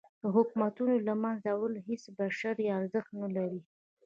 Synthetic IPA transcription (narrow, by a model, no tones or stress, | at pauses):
d̪̥əɦʊkmat̪unolamanzawalɦesbaʃaɾjɑaɾzəxt̪nalaɾi